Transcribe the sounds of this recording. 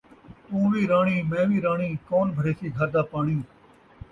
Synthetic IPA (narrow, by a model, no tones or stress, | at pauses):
t̪ũːʋiːɾaːɳiːmɛ̃ːʋiːɾãːɳiːkoːnbʱəɾeːsiːɡʱaːɾd̪aːpaːɳiː